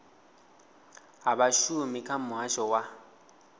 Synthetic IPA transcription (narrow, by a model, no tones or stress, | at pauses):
ɦaβaʃumikʰam̩ʊɦaʃɔwa